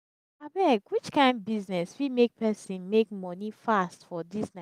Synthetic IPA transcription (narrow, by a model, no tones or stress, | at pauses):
abɛkwit͡ʃkãɪ̃nd̚biznɛswimek̚pʰɛsĩnmekmɔnifastfɔdisna